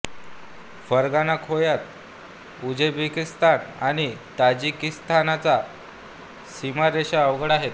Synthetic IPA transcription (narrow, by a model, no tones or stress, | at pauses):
fəɾɡanakʰojat̪̚ | ud͡ʑebikist̪anaɽ̃it̪ad͡ʑikist̪ʰanat͡sa | simaɾeɕaəʋɡəɽaɦet̪